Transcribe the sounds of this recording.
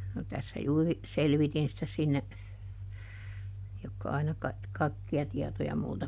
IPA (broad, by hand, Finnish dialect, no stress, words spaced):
no tæsːæ juːri selʋitin sitæ sinːe jokːɑ ɑinɑ kɑik kɑikːiɑ tiɛtojɑ multɑ